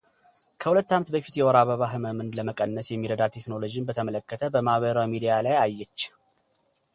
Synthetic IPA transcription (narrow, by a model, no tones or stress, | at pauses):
kʰəhulət̪ːamt̪bəfit̪jɛwɔɾaβəβaɦɨməmɨnləməkʼənːəsjɛmːiɾəd̪at̪ʰe̞knolo̞d͡ʒinbət̪ʰəmələkːət̪ʰəbəmaβəɾəwamid̪ijalajajːɛt͡ʃː